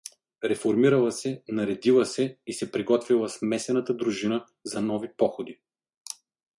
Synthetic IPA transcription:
ɾɛfoɾmiɾɐlˠɐsɛnɐɾɛd̪ilˠəsɛisɛpɾiɡɔt̪vilˠɐsmɛsɛnɐt̪əd̪ɾuʒinə | zɐnɔvipɔxod̪i

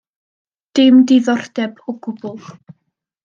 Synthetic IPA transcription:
d̥ɪmdɪðɔrd̥ɛbɔɡʊbʊl

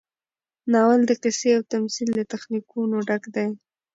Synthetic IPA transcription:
nɑwald̪əqɪseawt̪amsild̪ət̪axnikunoɖakd̪aj

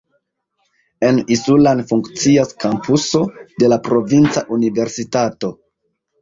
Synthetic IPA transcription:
e̞nisulanfuŋkt͡siaskampuso̞de̞lapɾo̞vint͡saʔunive̞ɾsitato̞

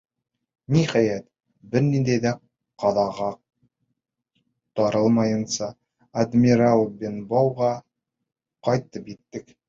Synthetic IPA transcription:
niχæjæt̪ | bɘɾnind̪æjðæ | qɑðɑʁɑ | t̪ɑɾɤlˠmɑjɤ̆nsɑː | d̪mʲiɾalˠbʲenbowʁɑ | qɒjt̪ɤpjit̪ːɘk

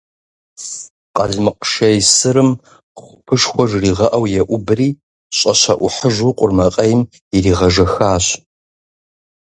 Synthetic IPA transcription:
qʼɐɮmɨqʃɐjsɨɾɨm | χʷʊpʰɨʂxʷɔʐriːʁɐʔɐwjɛʔʷʊbɨriː | ɕʼɐɕɐ̰ʔʷʊħəʒʷuqʷʼʊrmɐqʼɐjm | iriːʁɐʒɐxaːɕ

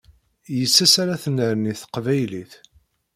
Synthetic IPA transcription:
jəsːæsaɾæθənːəɾniθə̥qvæjliθ

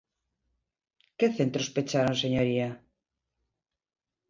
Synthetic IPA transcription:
keθent̪ɾospet͡ʃaɾoŋseɲoɾia

